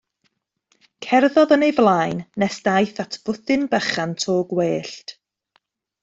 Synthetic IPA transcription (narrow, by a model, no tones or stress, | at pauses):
kʰɛrðɔðənejvlˠaːjnːɛsd̥ajθatʰb̥ʊθɪnbəχantʰoːɡweːɬt